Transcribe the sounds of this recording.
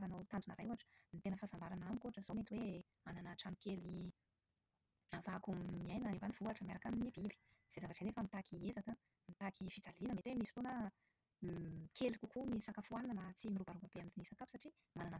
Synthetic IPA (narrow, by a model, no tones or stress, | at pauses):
ɾanot̪and͡ʒinəɾajuaʈ͡ʂə̥nit̪enəfazambaɾanamikoaʈ͡ʂəz̥omet̪iwe | ananaʈ͡ʂanikeli | avakumiajnanivaniv̥uaʈ͡ʂəmiaɾakaminibibi̥ | z̥ezavaʈ͡ʂenefəmit̪akʰiezakə | mit̪akivid͡zalinəmet̪iwemisit̪onə | kʰelikukunisakafuananət͡simiɾubaɾubab̥eamid̪inisakapu̥saʈ͡ʂi | manana